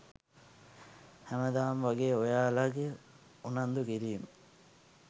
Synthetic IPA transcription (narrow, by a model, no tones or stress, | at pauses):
hæməd̪aːmʋaɡeːojaːlaɡe | unand̪ukiɾiːmə